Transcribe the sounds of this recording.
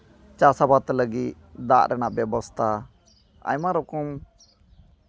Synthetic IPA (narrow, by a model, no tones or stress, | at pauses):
t͡ʃasabat̪ləɡit̪̚ | d̪a̰ʔɾɛnaʔbjɛbɔst̪ʰa | a̰ɲmaɾɔkɔm